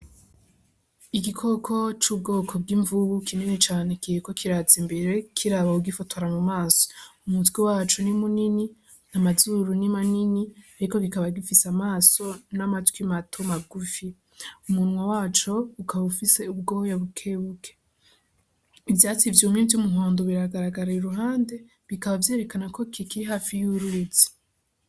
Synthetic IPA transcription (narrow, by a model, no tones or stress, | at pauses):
iɡikʰo̞kʰo̞t͡ʃuːb̚ɡo̞ːkʰo̞b̚ɡiːɱvuβukʰimenet͡ʃaːne̞kiɾiko̞kʰiɾazimbe̞ɾe̞kʰiɾaβauɡifotʰoɾamumaːso̥umutwiwaːt͡ʃunimunini | namazuɾunimaniniaɾikoɡikaβaɡifisamaːso̞namatwimatʰomaɡufi | umunwawaːt͡ʃo̞ukʰaβaβufise̞ub̚ɡo̞jaβukʰe̞βukʰe̥ | ivjaːt͡sivjomiːntiumuɦoːndoβiɾaɡaɾaɡaɾauɾuɦaːnde̞ | βikaβavje̞ːɾe̞kanako̞kʰikiɾiɦaːfijuɾuzi̥